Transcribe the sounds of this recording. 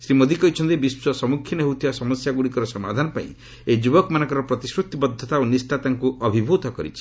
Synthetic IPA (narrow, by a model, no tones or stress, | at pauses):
sɾimod̪ʱikɔit͡ʃʰɔnt̪ibisɔsɔmukʰːjinɦewt̪ʰibasɔmɔsjaɡuɽikɔɾɔsɔmad̪ʱanɔpa̰ḭ̃ | ed͡ʒubɔkmanɔŋkɔɾɔpɾɔt̪isɾut̪ibɔd̪ʱːɔt̪aonisʈat̪aŋkuʔɔbʱibʱut̪ɔkɔɾḭt͡ʃʰi̥